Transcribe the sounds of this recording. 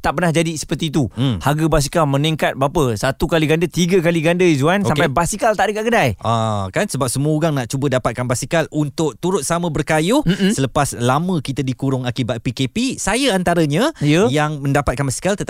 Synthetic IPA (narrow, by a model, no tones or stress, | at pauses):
t̪aʔpərnahd͡ʒadisə̥pərt̪iːt̪uhaɡəbas̬ikalmə̃niŋkat̪̚bapəsat̪ukaliɡandət̪iɡakaliɡandəzuansoamkpajbasikalt̪aʔdəkaʔ̚ɡədajakansəbap̚səmuəuɡaŋnaʔt͡ʃubədapat̪̚kanbasikalunt̪ʊʔ̚t̪uɾʊt̪̚samə̃bərkajʊhsələpaslamə̃kit̪ədikuɾʊŋakibat̪̚pikepisajaant̪aɾəɲãiəjaŋmə̃ndapat̪̚kanbasi̥kalt̪ət̪